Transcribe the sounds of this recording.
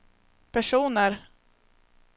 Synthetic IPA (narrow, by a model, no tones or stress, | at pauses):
pʰæʂuːnəɾ